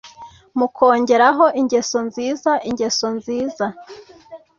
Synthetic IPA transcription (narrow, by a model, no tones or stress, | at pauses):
mukʰo̞ːɲɟe̞ɾaɦo̞ʔiɲɟe̞so̞nziːzaʔiɲɟe̞so̞nziːza